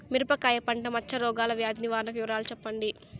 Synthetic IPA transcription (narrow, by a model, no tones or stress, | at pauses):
miɾupɐkaːjɐpɐɳʈɐmɐt͡ʃːɐɾɔːɡaːlɐʋjaːd̪ʱiniʋaːɾnɐkujuɾaːlut͡ʃɛpːɐɳɖi